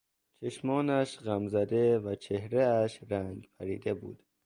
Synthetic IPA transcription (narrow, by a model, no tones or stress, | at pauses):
t͡ʃʰeʃmɒːnæʃɢæmzæd̪evæt͡ʃʰehɾeæʃɾæŋɡpʰæɾḭːd̪ebṵːd̪̥